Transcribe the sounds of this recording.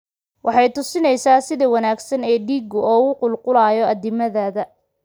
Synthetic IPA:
wʔɑħɑjt̪ʰʊsɪnɛjsaːsɪðɐwɑnaːɡsɐnɛːɖiːɡʊɔːʊqʊlqʊlaːjɔɐðɪmɐðaːðɐ

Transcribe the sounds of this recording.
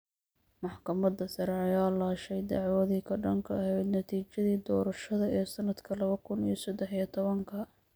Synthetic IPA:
mɑħkʰɐmɐd̪ɐsɐɾɛɐjaːlaːʃɛjd̪ɑʕwɐðiːkʰɐɖɐŋkʰɐɐɦɛjd̪nɐt̪ʰiːt͡ʃɐðiːd̪ɔːɾɐʃɐðɐʔɛːsɐnɐd̪kʰɐlɐβɐkʰʊnijsɐd̪ɛħijɐt̪ʰɔβɐŋkʰɐ

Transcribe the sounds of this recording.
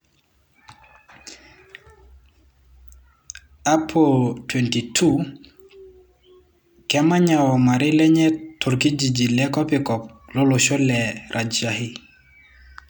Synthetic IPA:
apʰɔtwɛntitʰu | kɛmaɲawɔmaɾilɛɲɛtʰoɾkid͡ʒid͡ʒilɛkɔpikɔp̚lɔlɔʃɔlɛɾʔad͡ʒahi

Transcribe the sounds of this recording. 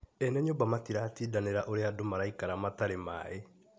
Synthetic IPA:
ɛnɛɲombamatiɾatiːdaneɾaʔoɾeadomaɾaikaɾamataɾema̰ːe

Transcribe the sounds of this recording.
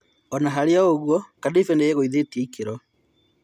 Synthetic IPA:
ɔnaɦaɾeaoɣwɔkadefɛnejeɣoiðeteikeɾɔ

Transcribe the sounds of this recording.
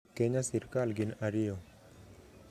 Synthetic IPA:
keɲasiɾkalɡinaɾɪjɔ

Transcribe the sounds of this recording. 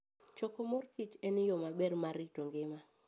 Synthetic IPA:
t͡ʃɔkomorkit͡ʃɛnɪjɔmabɛrmaɾɪtoŋɡɪma

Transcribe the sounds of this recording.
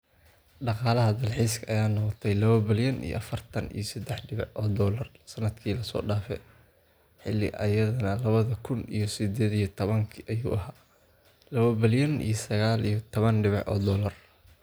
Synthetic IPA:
ɖɑqɑːlɐɦɐd̪ɐlħiːskʰɐʔɐjaːnɔqɔt̪ʰɛjlɐβɐbɪljɐnḭj̰ʔɐfɐrt̪ʰɐnḭjɔsɐd̪ɛħɖɪβɪʕʔɔːd̪ɔːlɐrsɐnɐd̪kʰiːlɐsɔ̰ːɖaːfɛ̰ | ħɪlːɪ̰ʔɐ̰jɐðɐnɐlɐβɐðɐkʰʊnḭjɞsɪd̪ɛːðijɐt̪ʰɔβɐŋkʰʔɐjṵːʔɐɦaː | lɐβɐbɪljɐnḭjɞsɐɣaːlijɞt̪ʰɔβɐnɖɪβɪʕʔɔ̰ːd̪ɔːlɐr

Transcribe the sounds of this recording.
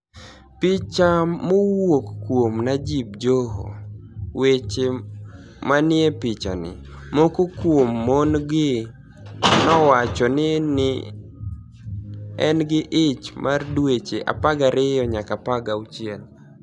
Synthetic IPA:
pɪt͡ʃamowokːwomnad͡ʒib̚d͡ʒoɦo̰wet͡ʃe | manɪepɪt͡ʃa̰nɪ̰ | mokokwomːonɡɪ | nɔwat͡ʃɔnɪnɪ | ɛnɡɪʔɪt͡ʃmʔardwet͡ʃeʔa̰paɡaɾɪjɔɲakapaɡaut͡ʃjɛl

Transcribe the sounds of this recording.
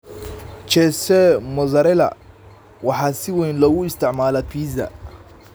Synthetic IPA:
t͡ʃɛsɛmɔzɐɾɛlɐ̰ | wɑħɑːsɪwɛjnlɔɣʊɪst̪ʰɪʕmaːlɐfʰiːzɐ̰

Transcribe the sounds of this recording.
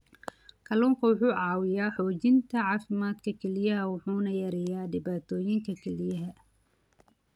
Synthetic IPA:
kʰɐlʊːŋkʰɐwʊħuːʕɑːwɪjaːħɔːt͡ʃɪnt̪ʰɐʕɑːfɪmaːd̪kʰɐkʰɛlɪjɐɦɐwʊħuːnɐjɐɾɛjaːɖɪbaːt̪ʰɔːjɪŋkʰɐkʰɛlɪjɐɦɐ

